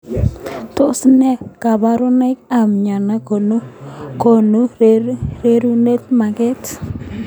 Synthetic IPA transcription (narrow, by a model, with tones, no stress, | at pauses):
to˦snɛ˦ka˨ba˦ɾo˦na˦ka˨mɲa˨na˦ko˨n˦ko˨nu˦ | ɾe˦ɾu˦ne˦t̚ma˨ke˦t